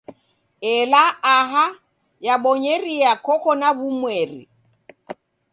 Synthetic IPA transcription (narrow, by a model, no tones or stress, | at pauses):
ɛlaaɦa | jaɓɔɲeɾiakʰɔkɔnaβumwɛrḭ